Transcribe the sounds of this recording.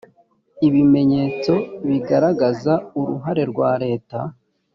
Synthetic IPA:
iβime̞ɲe̞ːt͡so̞βiɡaɾaɡazauɾṵɦaɾe̞ɾɡwaːɾe̞ːta

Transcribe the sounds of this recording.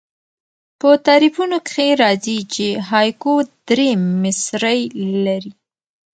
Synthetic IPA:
pət̪aɾifunokxeɾɑzit͡ʃeɦɑjkod̪̥ɾemɪsɾəjlaɾi

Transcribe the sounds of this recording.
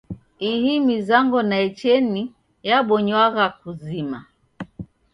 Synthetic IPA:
ihimizaŋɡɔnaɛt͡ʃɛni | jaɓɔɲwaɣak̚uzima

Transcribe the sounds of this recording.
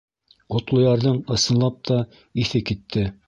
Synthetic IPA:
ŏt̪lˠŏjɑɾðɤɴɤ̆sɤ̆nlˠɑp̚t̪ʰɑ | iθɘkit̪ʰːɘ

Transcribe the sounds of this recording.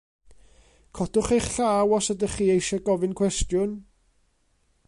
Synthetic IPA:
kʰɔd̥ʊχejχɬaːwɔsədəχiːejʃɛɡɔvɪnkʰwɛstjʊn

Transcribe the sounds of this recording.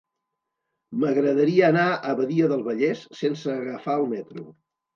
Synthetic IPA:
məɣɾəðəɾiəːnaʔəβəðiəðəlˠβəʎɛsːensəːɣəfaəlˠmɛt̪ɾṵ

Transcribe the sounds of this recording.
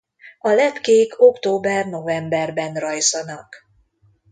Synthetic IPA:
ɒlɛt̪keːkʰo̞kt̪oːbɛrno̞vɛmbɛrbɛnrɒjzɒnɒk

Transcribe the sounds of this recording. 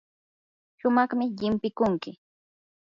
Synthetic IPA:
ʃʊmɑχmɪʎɪmpɪkʊŋkɪ

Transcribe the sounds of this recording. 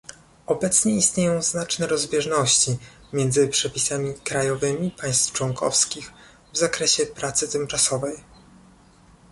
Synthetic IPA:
ɔbɛt̪sɲɛist̪ɲejɔ̃w̃znat͡ʂnɛɾɔzbʲjɛʐnɔɕt͡ɕi | mʲjɛnd̪zɘpʂɛpʲisamʲikɾajɔvɘmʲipaj̃st̪ft͡ʂwɔŋkʰɔfskʲix | vzakɾɛɕɛpɾat̪sɘt̪ɘmt͡ʂasɔvɛj

